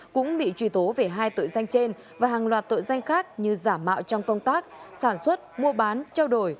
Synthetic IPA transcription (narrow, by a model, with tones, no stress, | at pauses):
kʊ̰˧˥ŋ͡mɓḭ˧˨t͡ɕwi˧˩t̪o˨˦ve˨˩ɦaː˧jt̪o̰˧˨jza˧jŋ̟t͡ɕe˧n | vaː˨˩ɦaː˨˩ŋlwaː˨˩t̚t̪o̰˧˨jza˧jŋ̟xaː˦˥k̚ɲɨ˧zaː˧˩mːa̰ː˧˨wt͡ɕɔ˧wŋ͡mkə˧wŋ͡mt̪aː˦˥k̚saː˧˩nswə˦˥t̚mu˧əɓaː˨˦nt͡ɕaː˧wɗo˧˩j